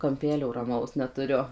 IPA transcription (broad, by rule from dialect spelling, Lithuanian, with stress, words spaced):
kɐmʲˈpʲæːlʲoː rɐˈmɐʊs nʲɛtʊˈrʲʊ